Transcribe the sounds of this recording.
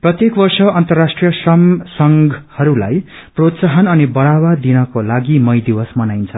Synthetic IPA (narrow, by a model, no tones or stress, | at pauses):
prʌt̪jekbʌrsʌʌnt̪ʌrːasʈrijʌsʌŋsʌŋɡhʌɾula̰j | prot̪saɦʌnʌnibʌɽawad̪inʌkolaɡimʌjd̪ibʌsmʌnajnt͡sʰʌ